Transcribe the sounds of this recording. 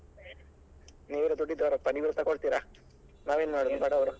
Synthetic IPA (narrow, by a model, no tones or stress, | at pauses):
neːɾud̪uɖːid̪aːɾɐpɐɽiʋiɾt̪ːɐkoɭt̪iːɾa | naːʋeːnumaːɽud̪ubaːɽɐʋɐɾu